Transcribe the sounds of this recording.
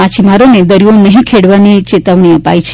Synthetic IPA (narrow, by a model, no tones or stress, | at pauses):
at͡ʃʰimaɾoned̪əɾijonəɦĩkʰeɽʋanit͡ʃet̪əʋɳ̃iəpa̰jt͡ʃʰ